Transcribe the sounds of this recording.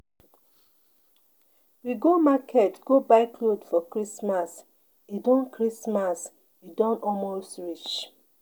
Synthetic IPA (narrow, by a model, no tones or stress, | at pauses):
wiɡomakʰɛtɡ̥obaɪkʰlodfɔkɹismas | idɔ̃nkʰɹismas | idɔ̃nɔlmostɹit͡ʃ